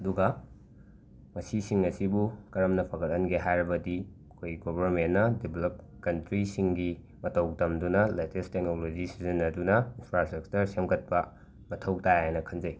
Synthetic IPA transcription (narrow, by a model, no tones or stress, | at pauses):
ɐduɡɐ | mɐsisiŋɐsibukɐɾɐmnɐpʰɐɡɐt̚ɐnɡeɦajɾɐbɐdiɐkʰojɡobɐɾmenːɐdibelɐp̚ | kɐntɾisiŋɡi | mɐtʰɐwk̚tɐmdunɐletestek̚nolod͡ʒisizɐnɐdunɐinpʰɾastɾɐk̚t͡ʃɐɾsemkʰɐt̚pɐ | mɐtʰɐwk̚tajajnɐkʰɐnzɐj